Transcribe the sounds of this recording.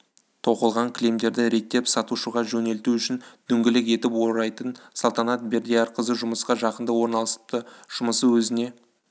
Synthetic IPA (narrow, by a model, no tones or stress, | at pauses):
t̪ʰo̞qəlˠʁɑŋkʲʰɪle̞md̪e̞ɾd̪ɪɾe̞t̪ːe̞psɑt̪uʃəʁɑʒɵne̞lt̪uʏʃɪnd̪̥ʏŋɡʲɪlɪke̞t̪ɪpwo̞ɾɑjt̪ənsɑlˠt̪ɑnɑt̪̚be̞ɾd̪ijɑɾqʰəzəʒʊməsqɑʒɑqənd̪əwo̞ɾnɑlˠəsə̥p̚t̪əʒ̥ʊməsəwɵzɪne̞